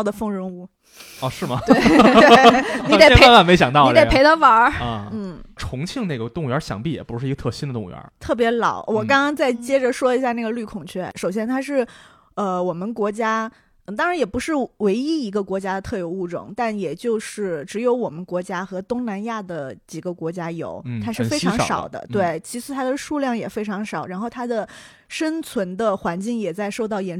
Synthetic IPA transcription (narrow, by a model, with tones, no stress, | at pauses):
d̪ə˩fɤ˥˩ŋɻə˧˥nu˥˩ | ɔ˧ʂɻ̩˥˩mɐ˩t̪ɪ˩˥˩ni˧˥d̪e˨˩˥e˧˥ma˥˩me˧˥ɪɕjɑ˨˩ŋt̪ɑ˥˧i˥e˨˩pʰe˧˥ɪt̪ʰə˥wɐ˞˧˥˧n̩˥˩ʈ͡ʂʰʊ˧˥ŋt͡ɕʰi˥˧ŋne˥˩ɡə˩t̪ʊ˥˧ŋɥɛ̰˞˧˥ɕjɑ̰˧˥ŋpi˥˩jɛ̰˨˩pu˧˥ʂɻ̩˥˩˧ɡə˧t̪ʰɤ˥˩ɕi˥nd̪ə˧t̪ʊ˥˩ɥɛ̰˧˥t̪ʰɤ˥˩pjɛ˧˥lɑ˨˩˦ʊwɔ˨˩kɑ˥ŋkɑ˥ŋt͡sa˥˩ɪt͡ɕjɛ˥ʈ͡ʂə˨ʂwɔ˥i˧˥ɕja˥˧na˥˩ɡə˩ly˥˩kʰʊ˨˩ŋt͡ɕʰɥɛ˥˩ʂo˨˩ʊɕ̬jɛ˥nt̪ʰa˥ʂɻ̩˥˩ | ə˧wɔ˨˩mə˦nkwɔ˧˥t͡ɕja˥˧ | t̪ɑ˥ŋɻa˧˥njɛ˨˩pu˧˥ʂɻ̩˥˩we˧˥ɪi˥i˧˥ɡə˧kwɔ˧˥t͡ɕja˥d̪ə˨t̪ʰɤ˥˩jo˧˥ʊu˥˩ʈ͡ʂʊ̰˨˩ŋt̪a˥˩njɛ˨˩t͡ɕjo˥˧ʊʂɻ̩˥˩ʈ͡ʂɻ̩˧˥jo˧˥ʊwɔ˨˩mə˦nkwɔ˧˥t͡ɕja˥xɤ˧˥t̪ʊ˥ŋna˧˥nja˥˩d̪ə˩t͡ɕi˨˩ɡə˦kwɔ˧˥t͡ɕja˥jo̰˨˧˩ʊt̪ʰa˥ʂɻ̩˥˩fe˥ɪʈ͡ʂʰɑ˧˥ŋʂɑ̰˨˩ʊd̪ə̰˦t̪we˥˩ɪt͡ɕʰi˧˥ʂɻ̩˧˥˩t̪ʰa˥d̪ə˨ʂu˥˧ljɑ˥˩ŋjɛ˨˩fe˥ɪʈ͡ʂʰɑ˧˥ŋʂɑ˨˩˦ʊɻa˧˥nxo˥˩ʊt̪ʰa˥d̪ə˨ | ʂə˥nt͡sʰwə˧˥nd̪ə˧xwa˧˥nt͡ɕi˥˩ŋjɛ˨˩t͡sa˥˧ɪʂo˥˧ʊt̪ɑ˥˩ʊjɛ˧˥n